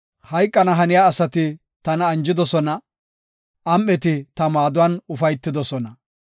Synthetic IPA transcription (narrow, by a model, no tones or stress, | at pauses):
hɐjkʼːɐnɐɦɐnɪjaːsɐt̪ɪ | t̪ɐnɐːnd͡ʒɪd̪ɔsɔnɐ | ʔɐmʔɛt̪ɪt̪ɐmaːd̪ʊwɐnʊfɐjt̪ːɪd̪ɔsɔnɐ